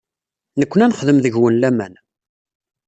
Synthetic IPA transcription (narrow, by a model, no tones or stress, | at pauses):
nəkʷːənænχðəmðəʝwənlæmæ̰n